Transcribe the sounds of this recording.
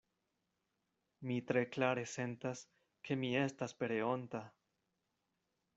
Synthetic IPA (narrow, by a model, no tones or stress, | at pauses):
mitɾe̞klaɾe̞se̞ntas | kʰe̞mie̞staspe̞ɾe̞o̞nta